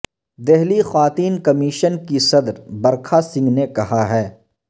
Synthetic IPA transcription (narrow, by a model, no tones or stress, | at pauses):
d̪ɛɦlixwaːt̪iːnkɐmiːʃənkisɐd̪ɾbɐɾkʰasɪ̃ŋɡnekɐɦaɦɛː